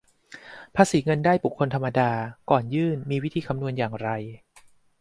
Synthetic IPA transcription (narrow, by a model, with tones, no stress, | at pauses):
pʰaː˧siː˩˦ŋɤ˧ndaː˥˩jbu˨˩kʰːo˧nt̪ʰa˧mːa˧daː˧kɔː˨˩njɯː˥˩nmiː˧wi˦˥t̪ʰiː˧kʰa˧mnu˧ənjaː˨˩ŋɾa˧j